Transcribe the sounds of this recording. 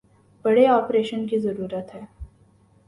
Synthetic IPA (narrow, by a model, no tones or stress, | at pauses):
bəɽeɔːpɾeʃənkiːzəɾuːɾət̪ɦɛː